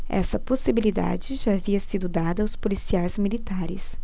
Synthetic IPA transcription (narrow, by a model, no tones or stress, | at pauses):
ɛ̰sɐposibilid̪a̰d͡ʒɪʒaːviɐsid̪ʊd̪ad̪ɐːʊspolisiajzmilit̪aɾɪ̰s